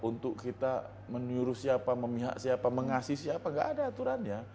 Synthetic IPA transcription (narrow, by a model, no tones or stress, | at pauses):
unt̪ʊkːit̪a | məɲuɾusiapaməmiɦa̰ʔsiapaməŋasisiapaŋɡa̰ʔadaːt̪uɾanja